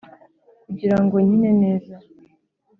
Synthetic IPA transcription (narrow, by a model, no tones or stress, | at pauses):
kuɟiɾaŋɡo̞ɲine̞ne̞ːza